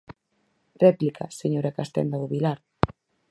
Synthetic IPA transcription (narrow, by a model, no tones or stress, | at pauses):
rɛplikʰa̰seɲoɾakast̪ɛ̰nd̪aɣoβilaɾ